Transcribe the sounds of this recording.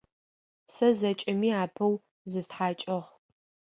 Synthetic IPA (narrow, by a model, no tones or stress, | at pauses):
sɐzɐt͡ʃʼɪmiːaːpʰɐw | zɨstħaːt͡ʃʼɐʁ